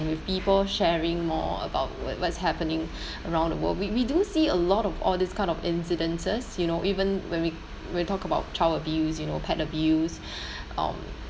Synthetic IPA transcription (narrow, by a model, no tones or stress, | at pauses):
nwɪfpipəlʃɛɹɪ̃ŋmɔ̰ə̰ba̰ʊt̚wɔ̰wɔtshɛpənɪ̃ŋ | əɹãʊ̃ndəwə̰lwiwidusiəlɔtɔfɔ̰ldiskʰãɪ̃ndɔfɪ̃nsidə̃nsəsjunoʔivə̃nwɛ̃nwi | wɛ̃nwitɔkəbaʊt̚t͡ʃʰawəbjus̬junopʰɛtəbjus | ʔʌ̰̃m